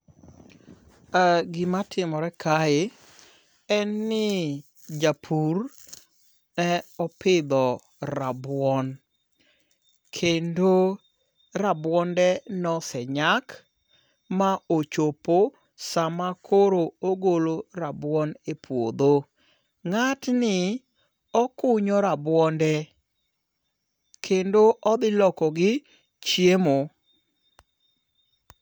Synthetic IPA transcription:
aɡɪmatʰɪmɔɾɛkʰaɪ | ɛnːɪ | d͡ʒapʰur | nɛɔpɪd̪ɔ | ɾabwɔn | kʰendo | ɾabwɔndɛnɔsɛɲak | maot͡ʃopo | samakʰoɾooɡoloɾabwɔnepwo̰d̪o | ŋatnɪ | ɔkʊɲɔɾabwɔndɛ | kʰendoʔɔd̪ɪlɔkɔɡɪ | t͡ʃjemo

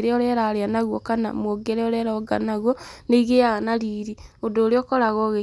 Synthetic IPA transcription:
ɾeɔɾeɾaɾeanaɣwɔkana̰mwoɡeɾɛɔɾɛɾaɡa̰naɣwɔneiɣeaɣanaɾiːɾiodoːɾeɔkɔɾaɣɔɣe

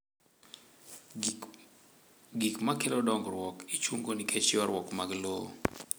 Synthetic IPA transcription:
ɡikmakelɔdɔŋɡɾwɔkit͡ʃwoŋɡonikʰet͡ʃjɔɾwɔkmaɡlo

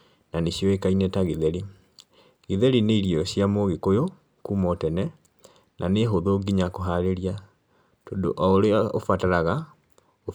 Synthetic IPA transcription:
naneɕjɔekainetaɣeðɛɾi | ɣeðɛɾineiɾiɔɕjamoɣekojo | kuːmɔtɛnɛ | nʔaneɦoðoːɡiɲakoɦaɾeɾia | tɔːndo̰ʔɔoɾeao̰fataɾaɣa | o

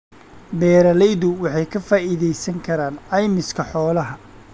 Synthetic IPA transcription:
bɛːɾɐlɛjðʊwɑħɑjkʰɐfaːʔɪðɛjsɐŋkʰɐɾaːnɑjmɪskʰɐħɔːlɐɦɐ

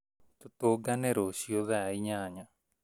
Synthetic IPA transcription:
t̪ut̪oɡaneɾosioðɛaiɲaːɲa

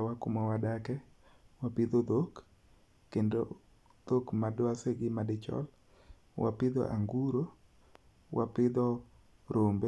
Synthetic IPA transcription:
wakʊmɔwadakɛ | wapɪd̪od̪okː | endo̰ | d̪̥okmadwaseɡɪmadɪt͡ʃɔ̰l | wa̰pɪd̪ɔ̰ʔa̰ŋɡuɾo | wʔapɪd̪ɔ | ɾombe

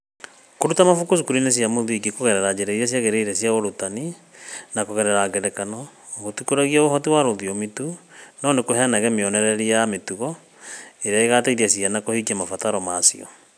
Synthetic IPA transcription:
koɾutamafukosukuɾines̬iamoðuiɡekoɣɛɾɛɾad͡ʒeɾɛiɾɛs̬iaɣeɾeiɾɛsjaoɾotani | nakoɣɛɾɛɾaɡɛɾɛkanɔ | ɣotukoɾaɣiaohɔtiwaɾoðiɔmetunɔnekohɛnaɣɛmeɔnɛɾɛɾiametuɣɔ | eɾeaeɣataiɾiasianakohikiamafataɾɔmaːsḭɔ̰

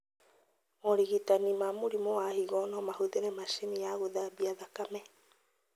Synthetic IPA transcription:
oɾiɣit̪animamuɾimoahiɣonomahuðeɾemaʃimiaɣuðabiaðakame

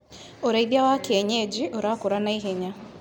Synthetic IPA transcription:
oɾaiðjawakeɛɲed͡ʑiʔoɾakoɾanaiɦɛɲa

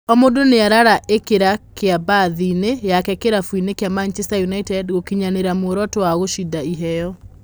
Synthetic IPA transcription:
ɔmodoneaɾaɾaʔekeɾakeabaðinejakɛkeɾafuinekeamant͡ʃɛstajunaitɛdɣokiɲaneɾamoɾɔtowaɣoʃidaiɦɛjɔ

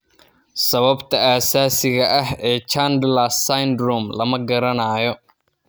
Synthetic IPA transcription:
sɐβɐbt̪ʰɐaːsaːsɪɣɐʔɐɦɛːt͡ʃaːnd̪lasajnd̪ɾɔːmlɐmɐɡɐɾɐnaːjɔ

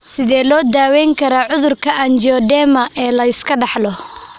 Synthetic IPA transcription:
sɪðɛːlɔːd̪aːwɛːŋkʰɐɾaːʕʊðʊrkʰɐʔand͡ʒɔːd̪ɛːmɐʔɛːlɐɪskʰɐɖɑħlɔ

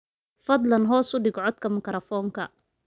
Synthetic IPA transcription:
fɐd̪lɐnɦɔːsʊɖɪɡɔʕɔd̪kʰɐmɐkɾɐfɔːŋkʰɐ̰

